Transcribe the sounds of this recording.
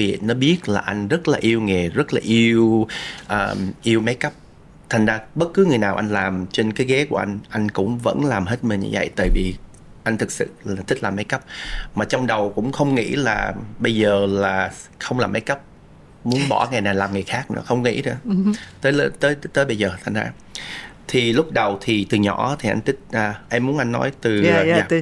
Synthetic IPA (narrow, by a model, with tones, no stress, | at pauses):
vḭ˨˩˨ənɔ˨˦ɓi˦˥ət̚laː˨˩ʔa˧jŋ̟zə˦˥t̚laː˨˩ʔi˧əwŋe˨˩zə˦˥t̚laː˨˩ʔi˧əwʔəː˨˩ʔi˧əwma˨˦jkə˦˥p̚ | t̪ʰa˨˩ŋ̟zaː˧ɓə˦˥t̚kɨ˨˦ŋɨ˨˩əjnaː˨˩wʔa˧jŋ̟laː˨˩mt͡ɕe˧nkaː˨˦jɣɛ˨˦ku˧˩əʔa˧jŋ̟ʔa˧jŋ̟kʊ̰˧˥ŋ͡mvə̰˧˥nlaː˨˩mɦe˦˥t̚mï̟˨˩ɲɨ̰˧və̰˧˨jt̪ə̰ː˨˩jvi˨˩ | ʔa˧jŋ̟t̪ʰɨ˨˩k̚sɨ̰˧˨˩t̪ʰï˦˥k̚laː˨˩ma˨˦jkə˦˥p̚maː˨˩t͡ɕɔ˧wŋ͡mɗə˨˩wkʊ̰˧˥ŋ͡mxə˧wŋ͡mŋḭ˧˥laː˨˩ɓə˧jzəː˨˩laː˨˩xə˧wŋ͡mlaː˨˩mːa˨˦jkə˦˥p̚ | mu˨˦ənɓɔ̰˧˩ŋa˨˩jnaː˨˩laː˨˩mŋɨ˨˩əjxaː˦˥k̚nɨ̰˧˥əxə˧wŋ͡mŋḭ˧˥ɗɨ̰˧˩ət̪əː˨˦lt̪əː˨˦jt̪əː˨˦jɓə˧jzəː˨˩t̪ʰa˨˩ŋ̟za̰ː˧˦ | t̪ʰi˨˩lʊ˦˥k͡p̚ɗə˨˩wt̪ʰi˨˩t̪ɨ˨˩ɲɔ̰˧˩˥t̪ʰi˨˩ʔa˧jŋ̟t̪ʰï˦˥k̚ʔəː˨˩ʔɛ˧mːu˨˦ənʔa˧jŋ̟nːɔ̰˨˦jt̪ɨ˨˩˨aː˧